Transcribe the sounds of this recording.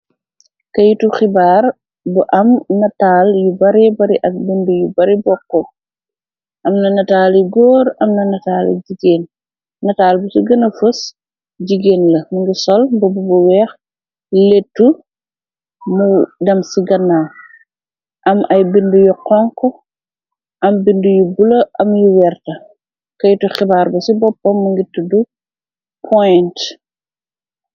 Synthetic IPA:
kɐjutuxibaːr | buʔɐmnɐtaːljubɐɾɛbɐɾiʔɐk̚bindujubɐɾibɔkːɔ | ʔɐmnɐnɐtaːliɡɔːɾɐmnɐnɐtaːlḭɟiɡeːn | nɐtaːlbusuɡɐnɐfɐs | ɟiɡeːnlɐmuŋɡisɔlbɐbubuwɛːx | letːu | mudɐmsiɡɐnːaw | ʔɐmʔɐjbindujuqɔŋkɔ | ʔɐmbindujubulɐʔɐmjuwɛrtɐ | kɐjtuxɛbaːrbɐsibɔpːɐmːuŋɡitːudu | pʰɔjnt

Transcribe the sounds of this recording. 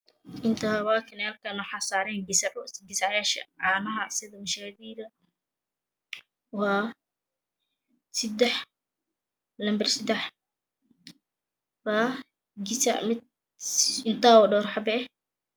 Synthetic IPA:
ʔɪnt̪ʰawaːkʰɐnaːlkʰɐnɐħasaːɾɛːŋɡɪsʕɡɪsaʕjaːʃɐ̰ʕaːnɐɦɐsɪðɐmʊʃaːðiːðɐ | waː | sɪd̪ɛħ | lɐmbɐrsɪd̪ɛħ | baː | ɡɪsa̰ʕmɪ | ɪnt̪ʰaːwɔɖɔːɾħɑbɛː

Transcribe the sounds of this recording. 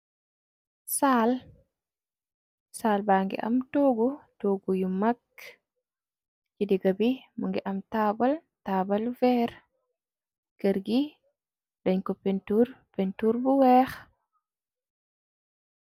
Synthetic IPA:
saːl | saːlbaːŋɡɛ̰ʔa̰mtoːɡɔtoːɡujumːakː | d͡ʒidiɡabimuŋɡɛʔamtabaltabalvɛɾ | keɾɡi | ɗaɲkɔpɛntuɾpɛntuɾbuwɛx

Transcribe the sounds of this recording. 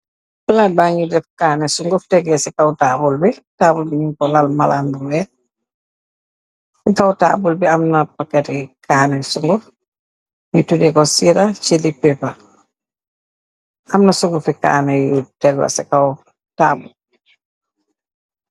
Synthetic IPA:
labaːɲudɛfkaːnɛsuŋɡɔftɛɡɛsikawtaːbulbitaːbulbiɲuŋkɔlalmalanbuwɛ | sikawta̰ːbulbiɐmnɐpakːɛtɛkʰaːnɛsuŋɡɔf | ɲutudɛkɔsiɾat͡ʃilipːɛpa | ʔɐmnɐsuŋɡɔfika̰ːnɛjutɛɡwɐ̰sɛkaw | taːbul

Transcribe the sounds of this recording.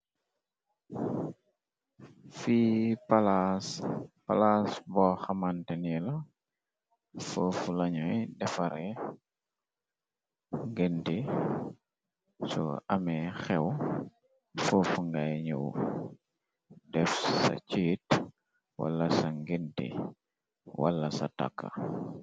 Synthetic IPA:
fipalaspalasbɔxɐmantɛnilɐ | fofulɐɲɔjdɛfɐɾɛ | ŋɡenti | sɔ̰ɐmɛxɛw | foːfuŋɡajɲuw | dɛfsa̰t͡ʃiːt | wa̰lːɐsɐŋɡentḭ | wa̰lːɐsa̰ta̰kːa̰

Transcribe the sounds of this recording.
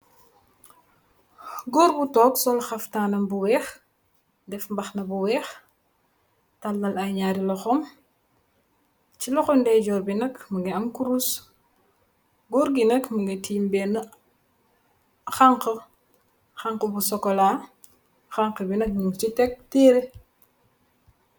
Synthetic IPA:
ɡɔɾbutɔːksɔlxɐftaːnɐmbuwɛːx | dɛfmbɐxnɐbuwɛːx | tɐlːɐlɐjɲaɾilɔxɔm | t͡ʃilɔxɔmdɛɟɔːrbinɐkməɡɛɐmkuɾus | ɡɔɾɡinɐkməɡetiːmbɛnə | xaŋqə | xaŋkəbusɔkːɔlaː | xaŋqəbinɐk̚ɲuŋt͡ʃitɛk̚tɛːɾe

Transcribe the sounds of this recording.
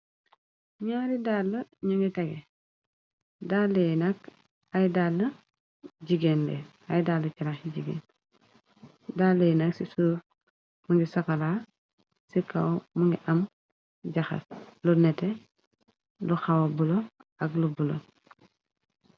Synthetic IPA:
ɲaːɾidaːlːɐɲuŋɡitɐɡe | daːlːejnɐk | ajdalːɐ | ɟiɡenlḛ | ajdaːlːɐt͡ʃaɾaxiɟiɡḛːn | daːlːejnaksisu | muŋɡisakalaː | sika̰wmuŋɡiʔɐm | ɟaxɐ̰slunɛte | luxawabuloaɡlubulo̰

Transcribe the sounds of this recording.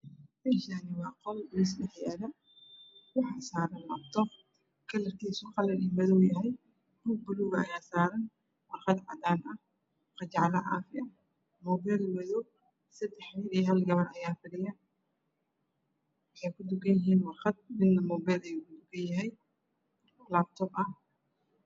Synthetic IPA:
mɛʃaːnɪwɑːqɔlʊɪs̬dɛħjaːðɐ | wɑħɑsaːɾɐnlaːbt̪ʰɔ | kʰɐlɐrk̪ʰiːsʊqɑlɐnɪmɐðɔjɐɦɛj | b̥uːɡ̚bʊluɣɐɐjaːsaːɾɐn | wɑrqɑd̪ʕɑ̰d̪aːnɐh | qɑt͡ʃɑʕlɐʕɑ̰ːfɪʔɐ | mɔːbɛjlwɐðɔ | sɐd̪ɛħmiɾiɦɐlɡɐβɐrʔɐjaːfɪɽɪjɐ | wɑħɑjkʰʊd̪ʊɡɐjɪɦiːnwɑrqɑd̪̚mɪd̪ːɐmɔːbɛjlɛjukʰʊd̪ʊɡɐnjɐɦɛj | laːb̚t̪ʰɔːbɐh

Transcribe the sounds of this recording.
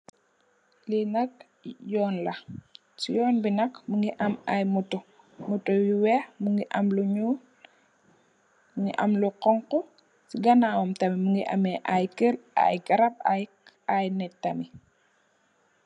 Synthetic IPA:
linɐk̚ | jɔːnlɐ | sijɔːnbinɐkmuŋɡiʔɐmajmutɔ | mutɔwiwɛmuŋɡiʔɐmluɲu | muŋɡḭʔɐmluqɔŋkɔ | siɡɐnaːwɔmtɐmimuŋɡiʔɐ̰mɛʔajkɛla̰jɡɐɾɐp̚aj | ajnɛtːɐmi

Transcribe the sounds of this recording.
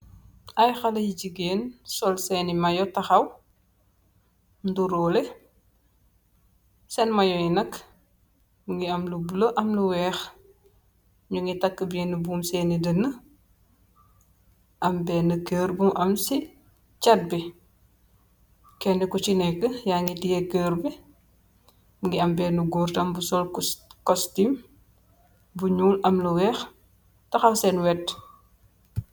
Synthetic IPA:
ʔɐjxɐlɐjiɟiɡeːnsɔlsɛːnimɐjɔtɐxɐw | nduɾɔːlɛ | sɛnmɐjɔjinɐk | muŋiɐmlubuləʔɐmluwɛːx | ɲuŋɡitɐkːəbenəbuːmsɛːnidənːɐ | ʔɐmbɛːnɐkəːɾbumʔɐmsi | t͡ʃɐt̚bi | kɛnɛkɔt͡ʃinɛkːəjaŋɡitijɛkəːɾbi | ŋɡiɐmbɛːnuɡɔːrtɐmbusɔlkɔstim | buɲuːlʔɐmluwɛːx | tɐxɐwsɛnwɛt

